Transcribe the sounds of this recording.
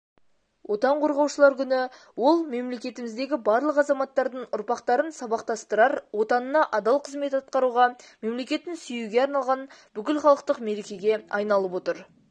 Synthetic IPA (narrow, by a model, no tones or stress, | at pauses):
wʔo̞t̪ɑɴqʰoɾʁɑwʃəlˠɑɾkʲʏnɪ | wo̞lˠme̞mle̞kʲe̞t̪ɪmɪzd̪e̞ɡʲɪbɑɾlˠəqɑzɑmɑt̪ːɑɾd̪əɴʊɾpɑqt̪ɑɾənsɑbɑqt̪ɑst̪əɾɑɾwo̞t̪ɑnənɑʔɑd̪ɑlˠqʰəzme̞t̪ɑt̪̚qɑɾuʁɑme̞mle̞kʲe̞t̪ːɪnsʏjuɡʲe̞ɑɾnɑlˠʁɑnb̥ʏkʲɪlχɑlˠəqt̪əqme̞ɾe̞kʲe̞ɡʲe̞ɑjnɑlˠəpwo̞t̪əɾ